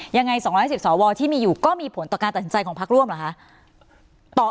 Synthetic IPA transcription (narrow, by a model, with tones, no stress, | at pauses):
ja˧ŋːa˧jsɔː˨˩˦ŋɔ˦˥jsi˨˩p̚sɔː˩˦wɔː˧t̪ʰiː˥˩miː˧juː˨˩kɔː˥˩miː˧pʰo˩˦nt̪ɔː˨˩kaː˧nt̪a˨˩snt͡ɕa˧jkʰɔː˩˦pʰa˦˥k̚ɾu˥˩əmla˨˩kʰa˦˥ʔ | t̪ɔː˨˩